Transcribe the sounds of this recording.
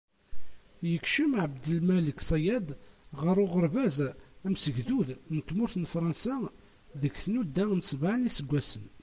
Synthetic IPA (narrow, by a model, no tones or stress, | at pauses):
jəkʃimʕəbd̪əlmæləksˤɑjæd̪ˤʁəɾˤʊʁəɾˤvæzæmsəʝðuðnət̪ːmʊɾθənfɾˤɑnsæ | ðəkθnud̪ːænəsbaʕnisəɡʷːæsən